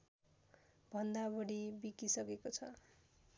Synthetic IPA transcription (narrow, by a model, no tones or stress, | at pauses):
bʱʌnd̪abʌɽibikisʌkekot͡sʰʌ